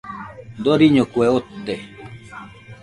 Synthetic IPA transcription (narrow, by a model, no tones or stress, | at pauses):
d̪oɾiɲokweot̪ːe